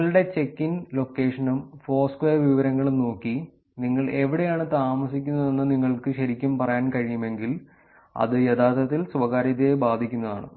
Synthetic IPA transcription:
ɐɭɽe̞t͡ɕe̞kːinlo̞kːe̞ːʂɐnumfo̞ːskʋejɐrʋiʋɐɾɐŋːɐɭumno̞ːkːi | niŋːɐɭe̞ʋiɽejaːɳɨt̪aːmɐsikʲːunːɐðe̞nːɨniŋːɐɭkɨɕɐɾikʲːumpɐrɐjaːnkɐɻijume̞ŋɡil | ɐ̰ðɨjed̪aːt̪ːɐt̪ːilsʋɐɣaːɾiðɐebaːd̪ʱikʲːunːɐða̰ːɳɨ̰

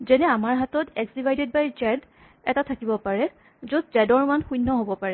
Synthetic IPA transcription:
zɛnɛamaɹɦatɔtɛkzivajdɛd̚bajd͡ʒɛd | ɛtatʰakibɔpaɹɛ | zot̚zɛdɔɹmanxujnːɔɦobɔpaɹɛ

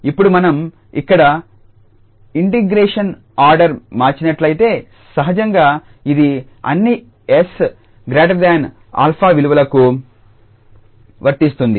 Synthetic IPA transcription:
ipːuɽumɐnɐm | ikːɐɽɐ | iɳʈiɡɾeːʂɐn | aːɾɖɐɾmaːɾt͡ʃinɐʈlɐjit̪e̞ː | sɐɦɐd͡ʒɐŋɡaː | id̪i | ɐ̰nːi | es | ɡɾaːʈɐd̪aːn | a̰ːlpʰaːʋiluʋɐlɐku | ʋɐɾt̪ist̪und̪i

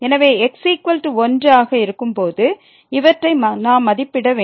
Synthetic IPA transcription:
ɛnɐʋeːɛksikʋɐlʈɯɔndraːɣɐɪɾɯkːɯmpoːðɯ | ɪʋɐʈrɐɪmɐnaːmɐðɪpːɪɽɐʋeː

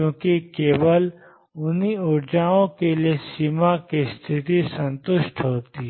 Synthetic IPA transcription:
jõːkikeːbəl | ʊniʊɾd͡ʒaːõkelijesiːmakist̪ʰɪt̪isɐ̃nt̪ʊʃʈ̪ɦoːt̪i

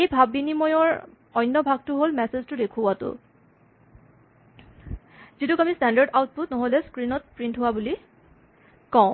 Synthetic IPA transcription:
ejbʱabːinimɔjɔɹ | ɔjnːɔbʱaɡ̚tʊɦolmɛseztʊdekʰuwatʊ̰ | zitukamistɛndaɹdawt̚put̚nɔɦolɛskɹinɔt̚pɹintɦowabuli | kaʊ̃

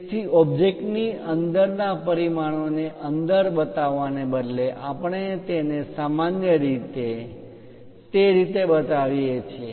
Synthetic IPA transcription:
sʰiɔbd͡ʒekʈniənd̪əɾnapəɾimaɳ̃oneʔənd̪əɾbət̪aʋːanebəd̪leʔapəɳ̃et̪enesamanjəɾit̪e | t̪eɾit̪ebət̪aʋiet͡ʃʰe

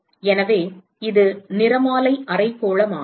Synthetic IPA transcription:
ɛnɐʋeː | ɪðɯnɪɾɐmaːlɐɪʔɐrɐɪpːoːɭɐmaː

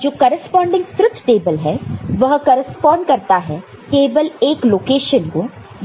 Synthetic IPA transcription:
d͡ʒoːkɐːɾəspɔ̃ːɳɖɪ̃ŋɡt̪ɾʊt̪ʰʈeːbəlɦɛʋɐɦkɐːɾəspɔ̃ːɳɖ̚kɐɾt̪aɦɛ | keːʋəleːkloːkeːʃənkoː

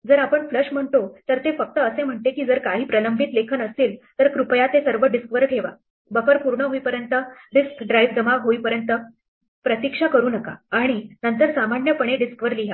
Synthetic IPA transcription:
d͡zəɾapəɳfləʂm̤əɳt̪ot̪əɾt̪efək̚t̪əːsem̤əɳt̪ekiːd͡zəɾkaɦiːpɾələmbʱit̪lekʰənəsiːlt̪əɾkɾupəjat̪esəɾʋəɖiskʋəɾʈʰeʋa | bəfəɾpuɾɳəɦoipəɾjənt̪əɖiskɖɾajʋd͡zəmaɦoipəɾjənt̪ə | pɾət̪ikʂakəɾuːnəka̰aɽ̃inənt̪əɾsamaɳjəpəɳ̃eɖiskʋəɾliɦa

